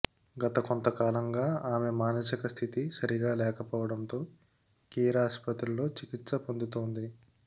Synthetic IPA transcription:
ɡɐt̪ɐko̞nt̪ɐkaːlɐŋɡaːaːmemaːnɐsikɐst̪ʰit̪isɐɾiɡaːlɛːkɐpɔːʋɐɽɐnt̪o̞ː | kiːɾaspɐt̪ɾulo̞ːt͡ʃikit̪sɐpo̞nd̪ut̪oːnd̪i

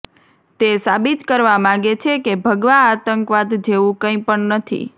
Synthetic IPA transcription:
t̪esabit̪kəɾʋamãɡet͡ʃʰekebʱəɡʋãːt̪əŋkʋad̪d͡ʒeʋũkə̃ĩpəɳnət̪ʰḭ

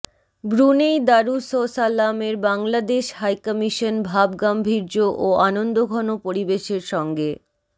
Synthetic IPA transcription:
bɾunejd̪aɾusosalːameɾbaŋlad̪eʃɦajkɔmiʃonbʱabɡambʱiɾd͡ʑoʔoanond̪oɡʱɔnopoɾibeʃeɾʃɔŋɡe

